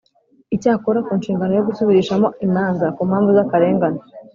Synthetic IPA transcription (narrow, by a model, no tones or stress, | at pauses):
icaːkoɾakuːnʃiːŋɡanojo̞ɡusuβiɾiʃamo̞imaːnzakuːmhaːɱvuzakaɾe̞ːŋɡano